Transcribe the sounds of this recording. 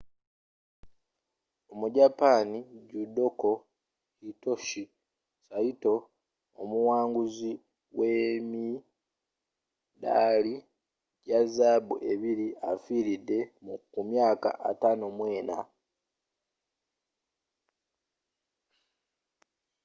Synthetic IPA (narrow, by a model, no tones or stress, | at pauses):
omuɟapaːniɟudo̞ko̞ | ito̞ʃi | saito̞ | omuwaːŋɡuzi | wemi | da̰ːli | ɟazaːbuʔe̞βiɾiafiɾidːe̞mukumjaːka̰ʔa̰tanomwe̞ːna̰